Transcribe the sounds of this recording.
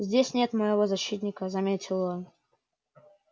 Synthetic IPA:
zʲdʲesʲnʲe̞t̪məjɪvo̞zɐɕːit̪ʲnʲɪkəzɐmʲetʲɪlˠon

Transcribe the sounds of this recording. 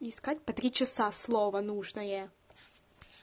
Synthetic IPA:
ɪskatʲpɐt̪ɾʲit͡ɕɪsaslˠovənuʐnəjə

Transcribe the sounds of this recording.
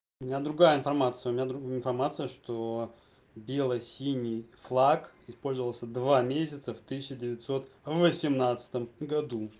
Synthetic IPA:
ʊmʲɪnʲad̪ɾʊɡajəɪnfɐrmat̪sɨjəʊmʲɪnʲad̪ɾʊɪnfɐrmat̪sɨjəʂt̪o | bʲe̞lˠəjsʲinʲːijflˠakɪspo̞lʲzəvəlˠsʲəd̪vamʲesʲɪt̪səft̪ɨsʲɪɕɪdʲɪvʲɪtʲso̞t̪vəsʲɪmnat̪sɨ̥t̪əmɡɐd̪u

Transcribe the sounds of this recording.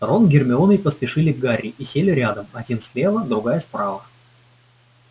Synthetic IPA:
t̪ɾonɡʲɪrmʲɪomʲɪjpəspʲɪʂɨlʲɪɡarʲːɪʔisʲelʲɪɾʲad̪əmɐdʲinsʲlʲe̞vəd̪ɾʊɡajəspɾavə

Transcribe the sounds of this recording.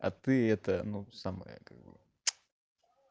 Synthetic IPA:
ɐ̰t̪ɨɛt̪ənusamə̰jə̰kaɡbɨ̰

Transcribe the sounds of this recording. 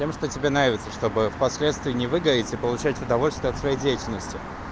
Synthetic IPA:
tʲemʂt̪otʲɪbʲenɾavʲɪt̪səʂt̪o̞bɨfpɐsʲlʲet̪st̪vʲɪːnʲɪvɨɡəɾʲɪtʲɪpəlˠʊt͡ɕætʲʊd̪ɐvo̞lʲst̪vʲɪɐt̪svɐjejdʲejɪtʲɪlʲnəsʲtʲɪ

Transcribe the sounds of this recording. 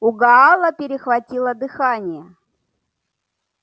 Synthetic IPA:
ʊɡɐɑlˠəpʲɪɾʲɪxvɐtʲilˠəd̪ɨxanʲɪjə

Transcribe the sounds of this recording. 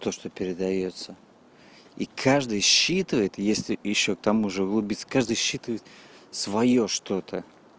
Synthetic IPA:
t̪o̞ʂt̪opʲɪɾʲɪd̪ɐjo̞t̪sə | ikʰaʐd̪ɨjɕːit̪ɨvəjɪt̪jesʲlʲɪjɪɕːo̞k̚t̪ɐmuʐɨʊɡlˠʊbʲit̪sə̥kaʐd̪ɨjɕːit̪ɨvəjɪt̪svɐjo̞ʂt̪o̞t̪ʰə

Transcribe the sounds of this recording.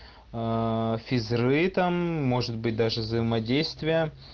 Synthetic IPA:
fʲɪzɾɨt̪amːo̞ʐɨt̪̚bɨt̚ʲd̪aʐɨvzəjɪmɐdʲejst̪vʲɪjə

